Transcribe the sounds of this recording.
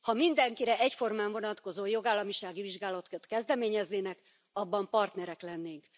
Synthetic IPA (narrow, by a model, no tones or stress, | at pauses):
hɒmind̪ɛŋkiɾɛɛcfo̞rmaːɱvo̞nɒt̪ko̞zoːjo̞ɡaːlːɒmiʃaːɡiviʒɡaːlɒt̪t̪kɛzd̪ɛmeːɲɛzneːnɛk | ɒbːɒmpɒrt̪nɛɾɛklɛnːeːŋk